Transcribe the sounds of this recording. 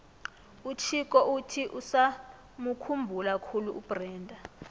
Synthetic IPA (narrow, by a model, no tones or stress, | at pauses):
ut͡ʃʰikɔʔutʰiʔusa | mukʰumbʱulakʰuluub̥rɛːndʱa